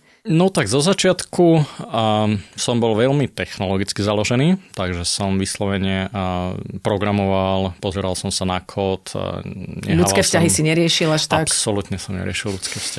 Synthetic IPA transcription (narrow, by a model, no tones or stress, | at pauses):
nɔt̪aɡzɔzat͡ʃɪat̪kʰu | sɔmbɔlʋɛʎmit̪ɛxnɔlɔɡit͡skizalɔʒɛniːt̪aɡʒɛsɔmʋislɔʋɛɲɪɛ | pɾɔɡɾamɔʋalpɔzɛɾalsɔmsanakʰɔːt̪ɲɛ̰luakɛːfscaɦisiɲɛɾɪɛʃilaʃt̪akpsɔlut̪ɲɛsɔmɲɛ̰ɾɪɛʃillut͡skɛːfscaɦi